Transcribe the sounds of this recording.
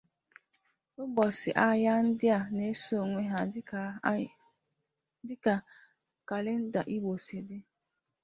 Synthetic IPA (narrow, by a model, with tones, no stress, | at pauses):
ʊ˦bɔ˨sɪ˨ʔa˦ja˦n̩˦dɪ˦a˨ne˦so˦˨ŋʷe˦ɦa˨˦ | dɪ˦ka˨ | ka˨le˦n̩˦da˨ʔi˦ɡ͡bo˨se˨de˦